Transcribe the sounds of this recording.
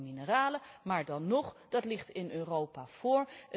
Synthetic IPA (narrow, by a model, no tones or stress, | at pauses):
minəraːləmaːɹdɑnːɔχd̥ɑtlɪχtɪnøːrowpav̥ʊːɹə